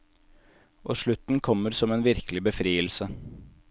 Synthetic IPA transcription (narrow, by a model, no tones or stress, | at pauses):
ʔoːʂɭʉt̪n̩kʰɔmːəɾsɔmeːnʋɪɾkəlɪbəfɾiːəlsə